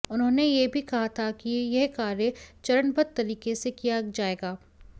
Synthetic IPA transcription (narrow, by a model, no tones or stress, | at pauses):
ʊnɦõːnejebʱikɐɦat̪ʰakijɛɦkaːɾjət͡ʃɐɾəɳbʱət̪̚t̪ːɐɾiːkesekijad͡ʒaːeːɡaː